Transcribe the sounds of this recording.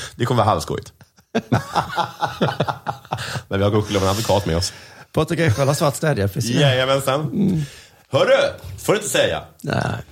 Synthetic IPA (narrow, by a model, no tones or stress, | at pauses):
d̪ɛkʰɔməvɑːɦa̰lvskɔ̰jɪ̰t̪ | mɛnvɪhaɡoɧɪlːəavaɛnad̪vʊkʰɑːt̪mɛ̰ɔspʰɔt̪ːəkɛkːɔlhasvat̪st̪ɛːd̪jafɾɪsɛɛmɛnsɛn | hœːɖɵfoːɾɵɪnt̪əsɛjːa̰næ̰